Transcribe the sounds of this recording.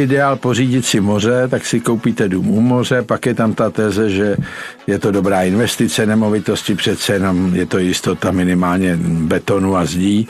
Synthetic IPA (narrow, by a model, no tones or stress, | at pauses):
ɪdɛaːlpo̞riːɟɪt̪sɪmo̞rɛt̪aksɪko̞wpit̪ɛduːmumo̞r̝ɛpakjɛt̪amt̪at̪ɛːzɛʒɛ | jɛt̪o̞do̞bɾaːɪnvɛst̪ɪt͡sɛnɛmo̞vɪt̪o̞scɪpr̝̥ɛt̪t͡sɛjɛno̞mjɛt̪o̞jɪst̪o̞t̪amɪnɪmaːlɲɛbɛt̪o̞nuazɟiː